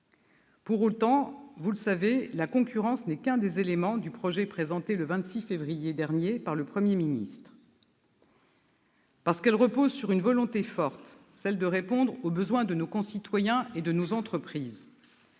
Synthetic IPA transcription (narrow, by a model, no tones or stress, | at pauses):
puʁot̪ɑ̃vuləsavelakɔ̃kʰʲyʁɑ̃snɛkɛ̃d̪ezelemɑ̃d̪ypχɔʒɛpχezɑ̃t̪eləvɛ̃t̪sifevʁijed̪ɛʁnjepaʁləpχəmjeminḭst̪χ | paʁsə̥kɛlʁəpozsyʁynvɔlɔ̃t̪efɔʁt̪ | sɛld̪əʁepɔ̃d̪ʁobəzwɛ̃d̪ənokɔ̃sit̪wajɛ̃ed̪ənozɑ̃t̪χəpχiːz